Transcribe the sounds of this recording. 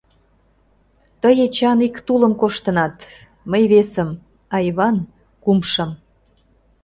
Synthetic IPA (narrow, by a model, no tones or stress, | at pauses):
t̪əjet͡ɕɑnikt̪ulə̆mkoʃt̪ə̆nɑt̪ | məjβesəm | ɑjβɑn | kumʃə̆m